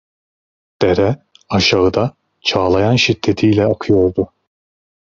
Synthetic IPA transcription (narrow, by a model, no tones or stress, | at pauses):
d̪̥eɾɛ | aʃaɯd̪a | t͡ʃʰaːlˠajanʃit̪ʰːe̞t̪ʰijlʲɛakʰɯjo̞ɾd̪ʊ